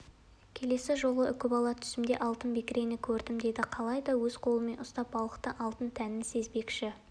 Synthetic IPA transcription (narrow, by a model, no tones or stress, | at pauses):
kʲʰe̞le̞sɪʒo̞lˠəʏkʲɪbɑlˠɑt̪ʰʏ̥sɪmd̪e̞ʔɑlˠt̪ənbekʲɪɾe̞nɪkʲʰɵɾd̪ɪmd̪e̞d̪ɪqʰɑlˠɑjd̪ɑwɵzqʰo̞lˠəme̞nʊst̪ɑp̚bɑlˠəqt̪əʔɑlˠt̪ənt̪ʰænɪnse̞zbe̞kʃɪ